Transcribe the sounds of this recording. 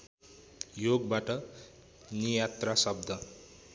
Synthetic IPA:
joɡbaʈʌ | nijat̪rasʌb̚d̪ʱʌ

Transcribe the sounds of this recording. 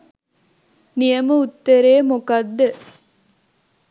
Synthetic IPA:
nijɐməut̪ːɐɾeːmukɐd̪ːə

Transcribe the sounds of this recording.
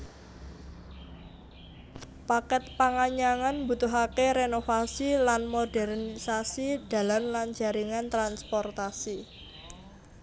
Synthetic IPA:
pakɛt̪̚paŋaɲaŋanmbut̪uɦakeɾenofasilanmodɛrnisasid̪̥a̤lanland͡ʒa̤ɾiŋant̪ɾanspɔrt̪asi

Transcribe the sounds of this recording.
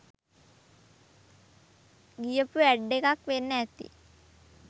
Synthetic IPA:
ɡijəpuæɖːekakʋenːəæt̪ḭ

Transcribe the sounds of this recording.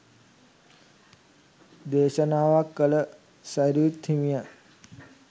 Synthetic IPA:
d̪eːʃənaːʋakːələ | saɾiut̪himija

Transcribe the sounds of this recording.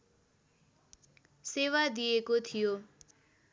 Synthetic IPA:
sewad̪ijekot̪ʰijo

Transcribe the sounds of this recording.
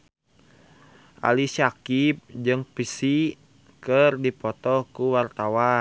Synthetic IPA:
ʔa̰lisakip̚d͡ʒɨŋpisi | kərdipɔt̪ɔkuwart̪awa

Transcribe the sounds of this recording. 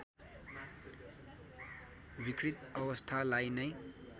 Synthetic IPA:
bikɾit̪ʌbʌst̪ʰalajnʌj

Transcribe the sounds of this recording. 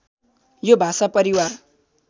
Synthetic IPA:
jobʱasapʌɾiwar

